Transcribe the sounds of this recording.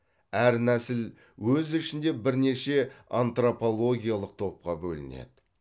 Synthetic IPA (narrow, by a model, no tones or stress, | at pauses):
æɾnæsɪl | wɵzɪʃɪnd̪e̞bɪɾne̞ʃe̞ant̪ro̞po̞lˠo̞ɡʲijalˠəq̚t̪ʰo̞p̚qɑbɵlɪ̰nḛd̪ɪ